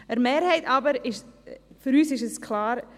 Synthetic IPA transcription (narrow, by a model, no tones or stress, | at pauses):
əɾmeːɾhɛɪtɑbəɾɪʃfʏɾyːsɪʃɛskʰlɑːɾ